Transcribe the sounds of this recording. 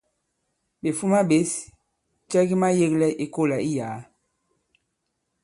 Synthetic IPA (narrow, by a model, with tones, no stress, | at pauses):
be˨fu˦ma˦ɓe˨˦s | t͡ʃɛ˦ɡi˦ma˦je˦klɛ˦ʔi˦ko˦˨la˨i˦jaː˨˦